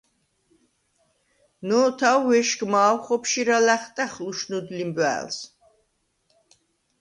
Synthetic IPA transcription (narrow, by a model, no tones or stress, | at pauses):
nɔt̪ʰawːɛʃɡmaːwχɔpʰʃiɾalæχt̪ʼæχluʃnud̪limbæ̰ːls